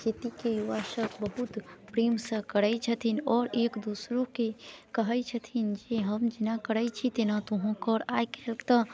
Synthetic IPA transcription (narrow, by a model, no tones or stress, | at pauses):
d͡ʒet̪ikejuʋasəkbəɦut̪pɾimsə̃kəɾɛt͡ʃʰət̪ʰinɔːɾeːkd̪usɾokekəɦəjt͡ʃʰət̪ʰind͡ʒeɦəmd͡ʒinakəɾəjt͡ʃʰit̪enat̪oɦõkɔɾajkelkt̪ə